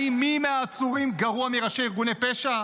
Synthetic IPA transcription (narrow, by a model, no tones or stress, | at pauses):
imimeaːt͡suʁimɡaʁuamiʁaʃeiʁɡunepeʃa